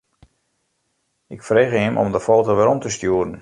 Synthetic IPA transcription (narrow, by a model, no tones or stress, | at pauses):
ɪkfreːɣəɪmʔɔ̰mdəfoːtoʋɛɾɔmtəstjuəɾən